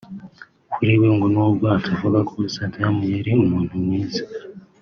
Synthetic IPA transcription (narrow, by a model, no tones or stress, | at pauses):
kuɾiweŋɡonobɡaːtʰavuɡakʰoisaːtʰajamujeɾiumuːn̥humwiːzḁ